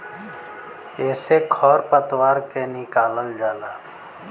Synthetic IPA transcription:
eːsekʰɔːɾpət̪waːɾkenɪkaːləld͡ʒaːlaː

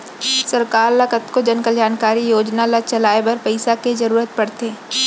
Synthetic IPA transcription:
sɐɾkaːɾlɐkət̪kod͡ʒɐnkəld͡ʒaːnkaːɾijoːd͡ʒnalat͡ʃɐlaːebɐɾpəɪsakezɐɾuːɾət̪̚pɐɽt̪eː

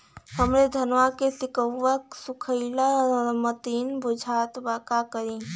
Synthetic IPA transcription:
həmɾed̪ʱənʋakesikəwːəksukʰəɪlaɾmət̪inbud͡ʒʱat̪bakakəɾĩ

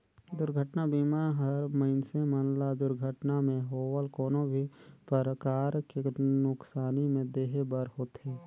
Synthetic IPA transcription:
d̪ʊɾɡʱəʈnabiːmaɦəɾməɪnsemənlad̪ʊɾɡʱəʈnamẽɦoːwəlkɔːnõbʱipəɾəkaːɾkenʊksaːnimẽd̪eːɦebəɾhoːt̪ɦeː

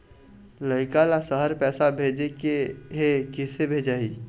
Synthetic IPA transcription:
ləɪkalasəɦəɾpɛːsabʱeːd͡ʒekeɦekɪsebʱeːd͡ʒaːiː

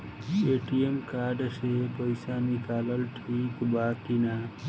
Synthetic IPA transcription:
eʈijemkaɾɖsepəɪsanikaləlʈʰikbak̪ina

